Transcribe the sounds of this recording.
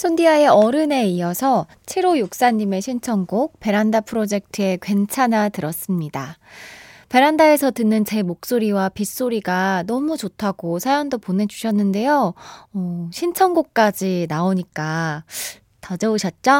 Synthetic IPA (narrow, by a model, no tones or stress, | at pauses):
sʰondiae̞ʌɾɯne̞iʌsʰʌ | t͡ɕʰeɾojok̚s͈aɲːime̞ɕʰint͡ɕʰʌnɡok̚pe̞ɾandapʰɯɾod͡ʑe̞k̚tʰɯe̞kwe̞nt͡ɕʰanatɯɾʌs͈ɯmɲida | pe̞ɾandae̞sʰʌtɯnːɯnt͡ɕe̞mok̚s͈oɾiwapis͈oɾiɡanʌmut͡ɕotʰaɡosʰajʌndopone̞d͡ʑuɕʰʌnːɯnde̞joʌɕʰint͡ɕʰʌnɡok̚k͈ad͡ʑinaoɲik͈a | tad͡ʑʌɯɕʰʌt̚t͡ɕ͈o